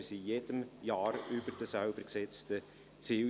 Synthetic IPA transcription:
sijed̥əmjɑːɾyb̥əɾd̥əsaʊbəɾksɛt͡st̪ə | t͡si

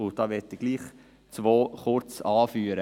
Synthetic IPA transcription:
ʊdɑːʋɛt̪ːɪɡ̥liːχ | t͡sʋoːχʊɾt͡sɑːfyːɾə

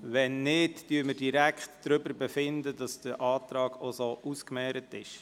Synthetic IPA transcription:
ʋɛnːɪtd̥yːməɾdiɾækχtdɾʏbəɾbɛfɪndədɑsd̥əɾʔɑːtɾɑːɡ̥osoːʔuskmɛːɾətɪʃ

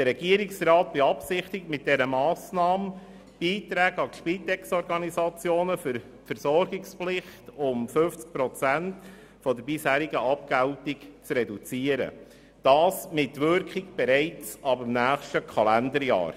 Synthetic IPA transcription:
d̥əɾɛɡiəɾɪksrɑːt̚b̥ɛɑpsɪχtɪk̚mɪt̚d̥ɛɾəmɑːsnɑːmə | b̥iːt̪ɾæːɡɑʃpiːtɛkstɔɾɡɑnizɑt͡sjoːnəfʏɾ | fəɾsɔɾɡɪksplɪχtʊmfɵft͡sk̚pɾɔt͡sænt | fɔdəɾbɪshæːɾiɡəʔɑp̚kæltɪkt͡sɾɛdut͡siəɾə̰ | d̥ɑːsmɪtʋʏɾkχɪk̚b̥ɛɾɛɪt͡sɑbɪmnæːχʃtəkʰɑlændəɾjɑ̰ːɾ

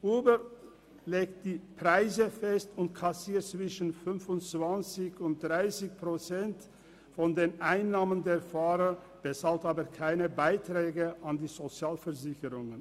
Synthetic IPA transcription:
ʔuːbə | leːkt̚d̥iːpʁ̥aɪzəfɛstʊntkʰasiːɐt̚t͡sv̥ɪʃənfʏnfʊnt͡sv̥ant͡sɪçʊnt̚d̥ʁaɪsɪçpʁ̥ot͡sɛnt | fɔndeːnʔaɪnːaːməndeːɐfaːʁɐ | b̥ɛsaltaːbəkʰaɪnəbaɪtʁ̥ɛːɡəʔandiːzot͡sjaːlfɛɐzɪçəʁʊŋən

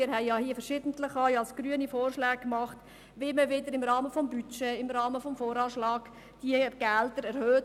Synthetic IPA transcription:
ɪːɾhɛɪjɑhiːəfəɾʃɪdən̩tləχɑjɑlsɡ̥ɾyənifoːrʃlɛːk̚kmɑχt | ʋɪməʋɪdəɾɪmɾɑːməfɔmbyt͡ʃɛɪmɾɑːməfɔmfoːɾɑːʃlɑːɡ | d̥iəɡ̥ældəɾɛɾhøː

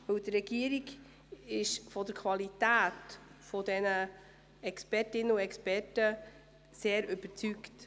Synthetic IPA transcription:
ʋɵwdəɾːɛɡ̥iəɾiɡ | ɪʃfɔd̥əɾkʰvwɑlitæːtfɔdɛnə | ɛkspɛɾtɪnəuɛkspɛɾtə | seːɾʏb̥əɾt͡sykt

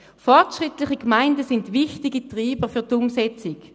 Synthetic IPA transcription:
fɔʁtʃʁɪtlɪχikmaɪndəsɪndvɪχtiɡitʁiːbəfyɐtʊmsɛt͡sɪk

